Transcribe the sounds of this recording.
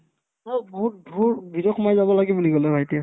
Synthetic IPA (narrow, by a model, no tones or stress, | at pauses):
taboɦut̚dʱuɹbidɔkʰmajzabɔlaɡibuliɡɔlɛbʱajtia